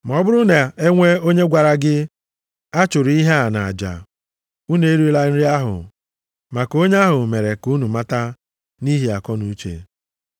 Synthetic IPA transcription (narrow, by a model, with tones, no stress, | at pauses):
m˨ɔ˨bʊ˦ɾʊ˦na˨e˦ŋʷe˦o˦ɲe˦ɡʷa˨ɾa˦ɡɪ˦ | a˦t͡ʃʊ˨ɾi˦ɦe˦a˨na˨a˨d͡ʒa̰˨ | u˦ne˨e˦ɾi˦la˦n̩˦ɾi˦a˦ɦʊ̰˨ | ma˨ko˦ɲe˦a˦ɦʊ˨me˨ɾe˨ku˦nu˨ma˦ta˦ | ni˦ɦi˨a˨kɔ˦nu˦t͡ʃḛ˨